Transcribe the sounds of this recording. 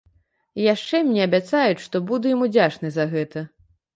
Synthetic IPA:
jaʂt͡ʂɛmʲnʲɛɐbʲat̪sajut͡sʲʂt̪ɔbud̪ujamud͡zʲat͡ʂnɨzɐɣɛt̪ɐ

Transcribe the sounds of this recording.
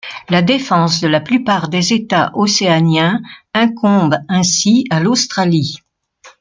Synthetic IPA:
lad̪efɑ̃sd̪əlaplypaʁd̪ezet̪aʔoseanjɛ̃ɛ̃kɔ̃bɛ̃sialost̪χali

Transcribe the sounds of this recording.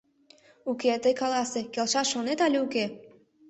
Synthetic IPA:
uket̪əjkɑlɑsekelʃɑʃonet̪ɑlʲeuke

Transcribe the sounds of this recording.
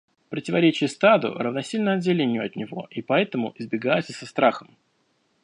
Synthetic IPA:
pɾətʲɪvɐɾʲet͡ɕɪjəst̪ad̪ʊ̰rəvnɐsʲilʲnəɐd̪̚dʲɪlʲenʲɪjʊɐt̪nʲɪvo̞̰ʔipɐɛt̪əmʊʔɪzbʲɪɡajɛt̪səsɐst̪ɾaxəm

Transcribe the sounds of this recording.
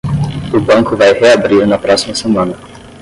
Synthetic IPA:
ʊbɐ̃ŋkʊvajheabɾiɾnɐpɾɔsimɐsemɐ̃nɐ

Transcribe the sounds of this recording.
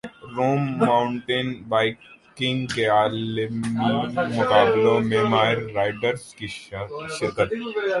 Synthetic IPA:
ɾoːmːaːʊɳʈenbaːɪkɪ̃ŋɡkeaːlmimʊkaːblõmẽmaːɪɾːaːɪɖəɾskiʃɪɾkət̪

